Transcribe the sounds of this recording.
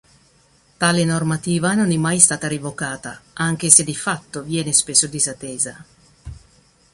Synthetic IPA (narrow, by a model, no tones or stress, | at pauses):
t̪aːlenormat̪iːvanonɛmːajst̪aːt̪aɾivokaːt̪a̰ʔaŋk̟esed̪ifat̪ːovjɛːnespesːod̪izat̪ːɛːza